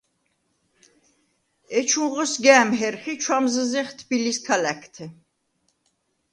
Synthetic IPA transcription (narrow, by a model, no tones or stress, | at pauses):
ɛt͡ʃʰũʁɔsɡæːmɦɛɾχit͡ʃʰwamzəzɛχt̪ʰbilist̪ʰalækʰt̪ʰɛ